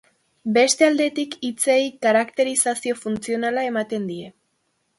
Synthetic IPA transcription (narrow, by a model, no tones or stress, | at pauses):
be̞st̪e̞ald̪e̞t̪ikit͡sejkaɾakt̪e̞ɾisasio̞funt͡sio̞nalae̞mat̪e̞nd̪ie̞